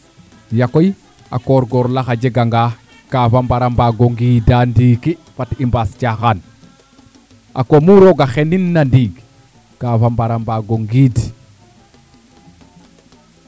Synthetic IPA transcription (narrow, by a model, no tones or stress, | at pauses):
jakoj | a̰koɾɡoɾlaxaɟeɡaŋɡa | kafambaɾambaɡoŋɡiːdandiːki | fatimbascaxan | ʔa̰komuɾoɡaxeninːandiːɡ | kaːfambaɾambaɡoŋɡiːd